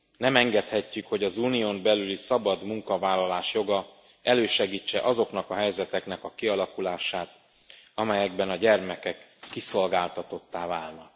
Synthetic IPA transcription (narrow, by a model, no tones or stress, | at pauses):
nɛmɛŋɡɛt̪hɛcːykho̞ɟɒzuːnijoːmbɛlylisɒbɒd̪muŋkɒvaːlːɒlaːʃjo̞ɡɒ | ɛløːʃɛɡiːt͡ʃːɛ̰ʔɒzo̞knɒkɒɦɛjzɛt̪ɛknɛkɒkiɒlɒkulaːʃaːt̪ | ɒmɛjɛɡ̚bɛnɒɟɛrmɛkɛkːiso̞lɡaːlt̪ɒt̪o̞t̪ːaːvaːlnɒk̚